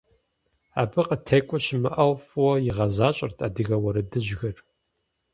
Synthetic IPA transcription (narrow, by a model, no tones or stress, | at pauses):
a̰ːbɨqətʰeːkʷʼɔɕɪmɨʔɐwfwɔjɪʁɐzaːɕʼɐ̰rtʰʼaːdɨɣɐwɐɾɨdɨʑɣɐr